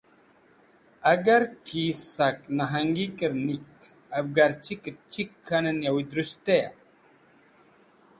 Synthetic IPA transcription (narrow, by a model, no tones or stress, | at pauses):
ɐɡaɾkʰisaknaɦaŋɡikʼəɾnik | ɐvɡaɾt͡ʃikəɾt͡ʃikʰːanɐnjawid̪ɾust̪eja̰